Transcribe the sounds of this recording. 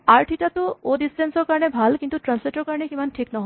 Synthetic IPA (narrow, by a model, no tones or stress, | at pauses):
aɹʈʰiʈat̪uodisʈensɔɹkaɾnebʱalkint̪uʈɾansleʈɔɹkaɹnekimanʈʰiknɔɦɔ